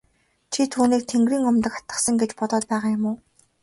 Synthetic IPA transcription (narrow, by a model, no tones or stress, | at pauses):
t͡ɕʰit̪ʰuːniːk̚t̪ʰeŋɡɾiːŋʊmt̪ə̆kχḁt̪ə̆sə̆ŋɡet͡ɕpɔt̪ɔːt̪̚pæːʁaːjʊmʊː